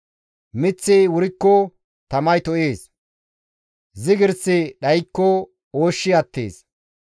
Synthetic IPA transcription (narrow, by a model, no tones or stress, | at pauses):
mɪt͡sːɪwʊɾɪkːɔ | t̪ɐmɐjt̪ɔʔeːs | zɪɡɪɾsɪɗɐjkːɔ | oːʃːɪɐt̪ːḛːs